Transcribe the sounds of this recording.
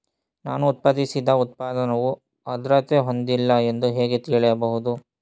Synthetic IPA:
naːnuːt̪̚pɐd̪isid̪ɐut̪̚paːd̪ɐnɐʋu | ɐd̪ɾɐt̪eɦo̞nd̪ilːɐe̞nd̪uɦeːɡe̞t̪iɭɛjɐbɐɦud̪u

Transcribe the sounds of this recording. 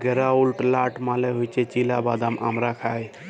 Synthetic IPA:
ɡɛɾaulʈlaʈmaleɦojt͡ʃet͡ʃilabad̪ama̰mɾakʰaj

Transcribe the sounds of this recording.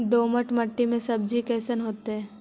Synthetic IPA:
d̪oːməʈməʈːimẽsɐb̚d͡ʒikɛːsənɦoːt̪eɦɛ̃ː

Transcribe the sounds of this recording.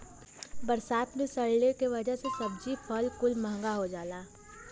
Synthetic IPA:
bɐɾsaːt̪mẽsɐɭlekeʋɐd͡ʒəɦsesɐb̚d͡ʒipʰəlkʊlməɦŋɡaɦod͡ʒaːlaː

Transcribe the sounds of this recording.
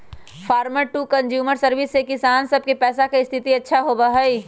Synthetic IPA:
fʰaːɾməɾʈuːkɐ̃nd͡ʒjuːməɾsɐɾʋɪsːekɪsaːnsɐb̚kepɛːsakeɪst̪ʰɪt̪iɐtːʃʰaɦobaɦɐiː

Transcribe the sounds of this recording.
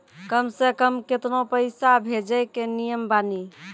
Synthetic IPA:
kəmsekəmket̪nopəɪsabʱed͡ʒəjkenijəmbani

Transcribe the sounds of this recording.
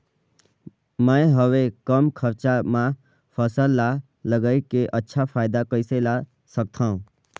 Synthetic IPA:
mə̃ɦəʋekəmkʰəɾt͡ʃamã | pʰəsəlːa | ləɡəjkeʔətːʃʰapʰaːɪd̪akəɪsela | sək̚t̪ʰãũ

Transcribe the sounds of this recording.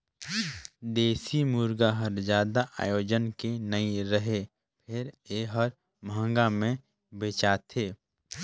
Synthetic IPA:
d̪eːsimuːɾɡaɦəɾd͡ʒjaːd̪aʔa̰ːjoːd͡ʒənkenəiɾəɦe | pʰɪɾeɦəɾ | mʱə̃ŋɡamẽ | beːt͡ʃaːt̪ʰeː

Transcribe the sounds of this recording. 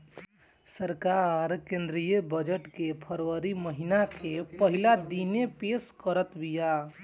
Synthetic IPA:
səɾkaɾkẽnd̪ɾijəbəd͡ʒəʈkepʰəɾwəɾiməɦinakepəɦilad̪inepeskəɾət̪bija

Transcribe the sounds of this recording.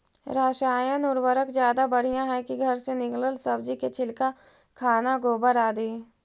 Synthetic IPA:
ɾaːʃaːjãnʊɾwəɾəkzjaːd̪abɐɽ̤ijãɦɛkiɡʱɐɾsenɪkləlsəbd͡ʒiket͡ʃʰɪlka | kʰaːnaɡoːbəɾaːd̪eː

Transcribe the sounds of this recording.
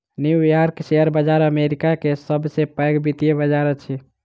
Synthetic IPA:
niwjaɾkseəɾbəd͡ʒaɾəmeɾikakesəbsepəjɡbit̪iebəd͡ʒaɾət͡ʃʰi

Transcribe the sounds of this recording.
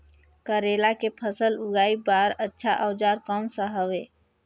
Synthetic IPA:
kəɾeːlakepʰəsəlʊɡaːibaːɾətːʃʰaʔəwd͡ʒaːɾkɔːmsəɦəweː

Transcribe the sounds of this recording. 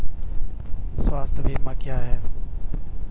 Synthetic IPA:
sʋaːst̪ʰbʱiːmaːkʰɪjaːɦeː

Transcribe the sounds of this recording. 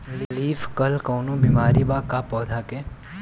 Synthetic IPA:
lliːfkəlkəwnũbimaːɾibakapɔːd̪ʱake

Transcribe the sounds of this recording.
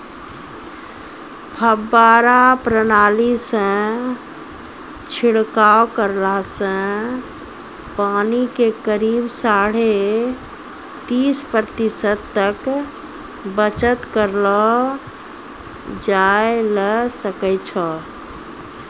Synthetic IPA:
pʰəbːaɾapɾənalisə̃ | t͡ʃʰiɽkawkəɾlasə̃ | panikekəɾibsaɽ̤e | t̪ispɾət̪isəd̪̚t̪ək | bət͡ʃət̪kəɾlɔ | d͡ʒaejləsəkɛt͡ʃʰə

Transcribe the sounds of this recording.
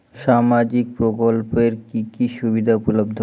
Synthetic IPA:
ʃamad͡ʑik̚pɾokolpeɾkikiʃubid̪ʱapɾulob̚d̪ʱ

